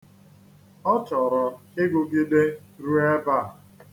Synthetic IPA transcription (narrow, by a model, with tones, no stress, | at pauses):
ɔ˦t͡ʃɔ˨ɾɔ˨ke˦ɡo˨bi˦de˦ | ɾu˦ɛ˦ba˦˨